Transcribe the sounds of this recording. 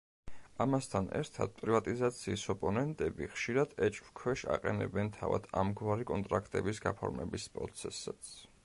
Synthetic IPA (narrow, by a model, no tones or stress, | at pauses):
amast̪ʰanɛ̰ɾt̪ʰad̪̥̚pʼɾivat̪ʼizat̪sʰiːsɔpʼɔnɛnt̪ʼɛbiχʃiɾad̪̥ɛt͡ʃʼvkʰwɛʃa̰qʼɛnɛbɛnt̪ʰava̰d̪̥amɡwaɾikʼɔnt̪ʼɾakʰt̪ʼɛbisɡapʰɔɾmɛbispʼɾɔt̪sʰɛsat̪sʰ